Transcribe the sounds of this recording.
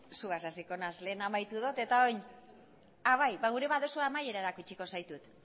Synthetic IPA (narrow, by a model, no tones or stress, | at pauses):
suasasiko̞nasle̞ːnamajt̪uð̞ot̪e̞t̪ao̞ɲ | aβajβaɣ̞uɾe̞βaðo̞suamaje̞ɾaeɾakut͡ʃiko̞sajt̪ut̪